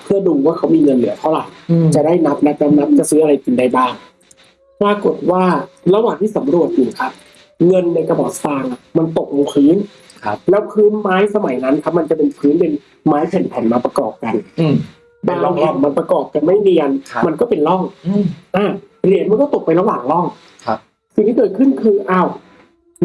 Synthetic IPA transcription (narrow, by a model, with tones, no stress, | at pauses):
pʰɯ˥˩ɐduː˧waː˥˩kʰa˦˥wmiː˧ŋɤ˧nːɯ˨˦t̪ʰɔ˧˥˩la˨˩jt͡ɕa˨˩da˥˩jna˦˥p̚na˦˥p̚na˦˥mna˦˥p̚t͡ɕa˨˩sɯː˦˥ʔa˧ɾa˧jki˨˩nda˧jbaː˥˩ŋ | pɾaː˧ko˨˩t̪̚waː˥˩la˧waː˨˩ŋt̪ʰiː˥˩sa˩˦mɾu˨˩ə˩t̪̚juː˨˩kʰa˦˥p̚ | ŋɤ˧nːa˧jka˧bɔː˨˩t̪̚faː˧ŋa˨˩ma˧nt̪o˨˩k̚lo˧ŋpʰɯː˦˥n | kʰlɛː˦˥wkʰɯː˦˥nmaː˦˥jsa˧ma˩˦jna˦˥nkʰa˧˦˥p̚ma˧nt͡ɕa˨˩pe˧npʰɯː˦˥npe˧n | maː˦˥jpʰe˨˦npʰɛ˨˩˦nmaː˧pɾa˧kɔː˨˩p̚ka˧n | ba˧˩lɔː˥˩ŋp̪ʰɛ˧˩ŋma˧npa˧kɔː˨˩p̚ka˧nma˥˩jmiː˧ka˧nʰma˧nkɔː˥˩pe˧nlɔ˥˩ŋʔaː˧˩ɾi˧˩ənma˧nk̬ɔː˥˩t̪o˨˩k̚pa˧jla˧waː˨˩ŋlɔ˥˩ŋ | kʰ | si˨ŋt̪ʰiː˥˧kɤː˨˩t̪̚kʰɯ˥˩nkʰɯː˧ʔaː˧˩w